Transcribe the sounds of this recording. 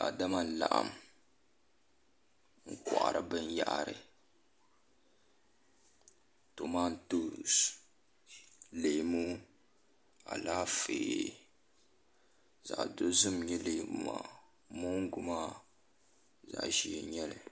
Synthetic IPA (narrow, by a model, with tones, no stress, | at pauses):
a˨da˦ma˦n̩˨la̰˨ʔa̰˨m | ŋ̩˦kɔ˨ʔa̰˨ɾɨ˨bɨ˦nja̰˦ʔa˨ɾɨ̰˨ | to˨ma˦ntu˦s | le˨mu˦ | a̰˨laː˦feː˨ | za̰˨ʔdo˦zɨ˦mɲɛ˦le˨mu˨ma̰˨ | mu˦ŋ˦ɡʊ˦ma˦ | za̰˨ʔʒi˨ɛ˨ɲɛ˦lɨ˨